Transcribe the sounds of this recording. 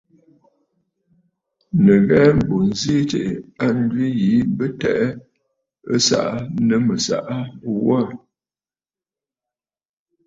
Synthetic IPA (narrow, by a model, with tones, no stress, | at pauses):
nə˨ɣɛ˦m̩˨bo˨n˨zi˦te˨ʔa˦n˦dɥi˦ji˨˦bə˦tɛ˨ʔ | ə˦sa̰˨ʔa˦nə˦mə˨sa̰˨ʔa˦wa˦˨